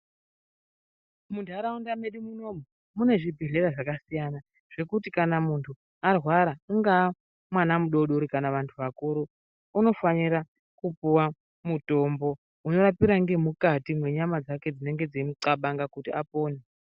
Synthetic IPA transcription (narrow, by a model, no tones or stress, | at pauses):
muntʰaɾaundameɗimuno̞mu | mune̞ʐibʱiɮe̞ɾaʐakasijana | ʐ̥e̞kutikanamuntʰu | arwaɾauŋɡa | mwanamuɗo̞ɗoɾikanaʋantʰuʋakuɾuː | no̞faniɾa | kupuwa | muto̞mbo̞ | uno̞ɾapiɾaŋɡe̞mukatimwe̞ɲamad͡zake̞d͡zine̞ŋɡe̞d͡ziimuǀaɓaŋɡakutiapo̞ːne